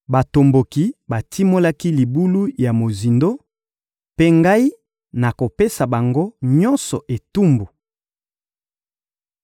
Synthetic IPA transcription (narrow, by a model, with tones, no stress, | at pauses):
ba˨to˨mbo˨ki˨ba˨tʰi˦mo˦la˦ki˦li˨bu˦lu˦ja˨mo˨zi˨ndo˦ | pe˦ŋɡa˦i˦ | na˨ko˨pe˦sa˨ba˨ŋɡo˦ɲɔ̃˦nsɔ˨ʔe˨tu˦mbu˨